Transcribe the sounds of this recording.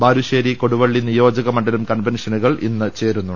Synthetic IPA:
baːɾuɕeːɾiko̞ɽuʋɐɭːinijo̞ːd͡ʑɐɣɐmɐɳɖɐlumkɐnʋenʂɐnuɣɐɭʔinːɨt͡ɕe̞ːɾunːu

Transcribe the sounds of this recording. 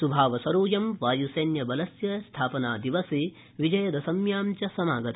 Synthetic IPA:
subʱaːʋɐsɐɾuːjɐmʋaːjusɐːnjɐbɐlɐsjɐst̪ʰaːpɐnaːd̪iʋɐsi | ʋid͡ʒɐjɐd̪ɐsɐmjaːmt͡ʃɐsɐmaːɡɐt̪

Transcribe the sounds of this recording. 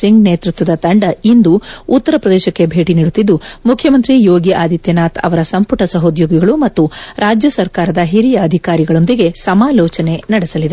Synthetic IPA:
siŋɡneːt̪ɾut̪ʋɐd̪ɐt̪ɐɳɖɐind̪uːt̪ːɐɾɐpɾɐd̪ɛːʃɐkːebʱe̞ːʈiniːɽut̪ːid̪ːumukʰjɐmɐnt̪ɾijoːɡiʔaːd̪ʱit̪jɐnaːt̪ɐ̰ʋɐɾɐsɐmpuʈɐsɐɦoːd̪joːɡiɡɐɭumɐt̪ːuɾaːd͡ʒjɐsɐɾkaːɾɐd̪ɐɦiɾijɐːd̪ʱikaːɾiɡɐɭo̞nd̪iɡe̞sɐmaːlɔːt͡ʃɐne̞nɐɽesɐlid̪e

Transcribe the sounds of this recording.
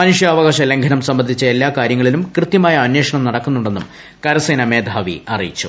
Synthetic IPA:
aːnuʂjɐːʋɐɣaːɕɐle̞ŋɡʱɐnɐmsɐmbɐnd̪ʱit͡ɕːɐe̞lːaːkaːɾjɐŋːɐɭilumkrɨt̪jɐmaːjɐːnwe̞ːʂɐɳɐmnɐɽɐkːunːuɳɖe̞nːum | kɐɾɐseːnɐme̞ːd̪ʱaːʋḭɐrḭjit͡ɕːṵ

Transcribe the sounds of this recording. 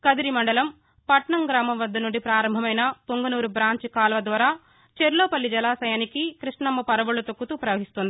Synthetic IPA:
kɐd̪iɾimɐɳɖɐlɐm | pɐʈɳɐmɡɾaːmɐmʋɐd̪ːɐnuɳɖipɾaːɾɐmbʱɐmɐjnɐpoŋɡɐnuːɾubɾaːɲt͡ʃikaːlʋɐd̪ʋaːɾaː | t͡ʃeɾloːpɐlːid͡ʒɐlaːsɐjaːnikikɾiʂɳɐmːɐpɐɾɐʋuɭɐt̪okːut̪uːpɾɐʋɐɦist̪und̪ii

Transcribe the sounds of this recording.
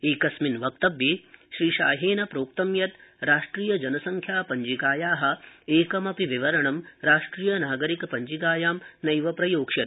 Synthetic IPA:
eːkɐsminʋɐk̚t̪ɐbjiʃɾiːʃa̰ːɦeːnɐpɾoːk̚t̪ɐmjɐt̪ɾaːʂʈɾiːjɐd͡ʒɐnɐsɐŋkʰjaːpɐɲd͡ʒikaːjaːɦɐ̆eːkɐmɐpiʋiʋɐɾɐɳɐmɾaːʂʈɾiːjɐnaːɡɐɾikɐpɐɲd͡ʒikaːjaːmnɐjʋɐpɾɐjoːkʂɐt̪

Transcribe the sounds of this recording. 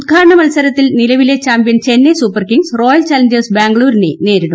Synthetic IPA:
ud̪̚ɡʰʱaːɾɐɳɐmɐlsɐɾɐt̪ːilnilɐʋile̞t͡ɕaːmpjɐnt͡ɕe̞nːesupːɐrkiŋɡsro̞ːjɐlt͡ɕaːlɐɲd͡ʑersbaːŋɡɭuːɾinene̞ːɾiɽɐm

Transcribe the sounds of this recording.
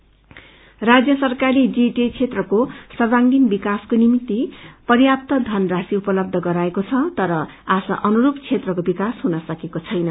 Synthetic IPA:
rad͡zjʌsʌrkaɾid͡ziʈet͡sʰet̪rʌkosʌrbaŋɡinbikaskonimit̪ːipʌrjap̚t̪ʌd̪ʱʌnrasiupʌlʌb̚d̪ʱʌɡʌɾaekot͡sʰʌt̪ʌɾʌ | asʌ̰ʔʌnuɾupt͡sʰet̪rʌkobikasɦunʌsʌkekot͡sʰʌjnʌ

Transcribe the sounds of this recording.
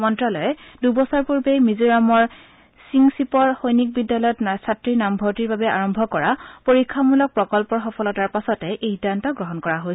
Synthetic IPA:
mɔntɹalɔjɛdubɔsɔɹpuɹbejmiziɹamɔɹ | siŋsipɔɹxojnik̚bidːalɔjɔtnasatɹinambʱɔtiɹbabɛa̰ɹɔmbʱɔkɔɹapoɹikʰːamulɔk̚pɹɔkɔlpɔɹxɔpʰɔlɔtaɹpasɔtɛʔejdantɔɡɹɔɦɔnkɔɹaɦojsɛ

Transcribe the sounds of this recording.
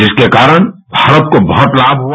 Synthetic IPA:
d͡ʒɪskekaːɾəɽ̃bʱaːɾət̪̚kobɔɦɔt̪laːbʱɦu

